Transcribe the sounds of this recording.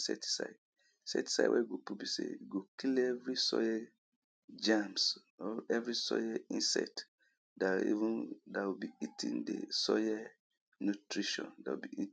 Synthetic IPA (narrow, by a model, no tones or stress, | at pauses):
sɛ̰ti̥sa̰ɪd | sɛ̰ti̥sa̰ɪwʔɛ̰jɡopubisḛjuɡokilɛvɹisɔjɛ | d͡ʒãms | ɛvɹisɔjɛĩnsɛ̰t | daḭvũndawibiitʰḭ̃ndḛsɔjɛ | nutɹiʃɔ̰̃ndawṵbii